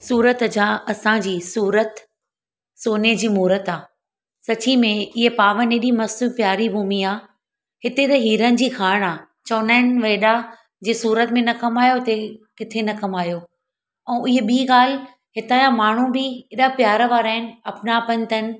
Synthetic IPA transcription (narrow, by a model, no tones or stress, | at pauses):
suːɾət̪d͡ʑãɐsãd͡ʑiːsuːɾət̪ | soːned͡ʑiːmuːɾət̪aː | sɐt͡ɕimẽɪɦepaːʋəneɗimɐsupjaːɾibʱuːmiaː | hɪt̪et̪ɐɦiːɾənɪ̆d͡ʑiːkʰaːɽ̃aː | t͡ɕɐːnaːɪnʋeːɗa | d͡ʑeːsuːɾət̪mẽnɐkɐmaːjot̪ekɪt̪ʰenɐkɐmaːjo | ɛ̃ːʔɪɦeɓiːɠaːl̤ | ɦɪt̪aːjãmaːɳ̤ũbɪɪɗapjaːɾʋaːɾaːɪnɐpnapɐ̃nt̪ənɪ̆